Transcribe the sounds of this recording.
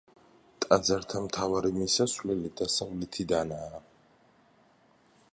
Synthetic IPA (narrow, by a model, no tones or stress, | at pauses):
t̪ʼad̪zaɾt̪ʰamt̪ʰavaɾimisasvlɛlid̪asavlɛt̪ʰid̪anaː